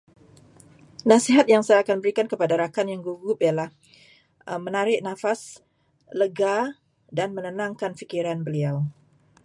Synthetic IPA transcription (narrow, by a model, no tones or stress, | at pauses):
nãsiɦat̪̚jaŋsajaakanbəɾikankəpadaɾakanjaŋɡuɡʊpialah | əmə̃naɾɪʔnãfas | ləɡa | danmə̃nənãŋkanfikiɾanbəliaw